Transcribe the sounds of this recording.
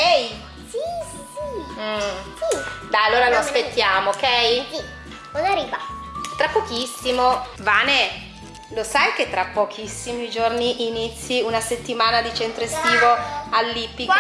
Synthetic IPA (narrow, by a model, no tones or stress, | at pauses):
kɛj | si | sim̩sid̪ajalːoːɾaloaspet̪ːjaːmoːkːɛji | nonariːvat̪ɾapːɔkisːimovaːne | losajk̟et̪ːɾapːɔk̟ʰisːimiid͡ʒorniʔinit̪sːiunaset̪ːimaːnad̪it͡ʃent̪ɾoest̪iːvoalːipːi